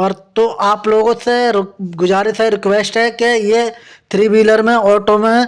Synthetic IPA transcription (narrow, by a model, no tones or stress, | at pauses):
ɔːɾt̪oʔaːploːɡõseɡʊd͡ʒaːɾiseɾɪkʋeːsʈɦɛkejet̪ʰɾiːbiːləɾmẽɔːʈomẽ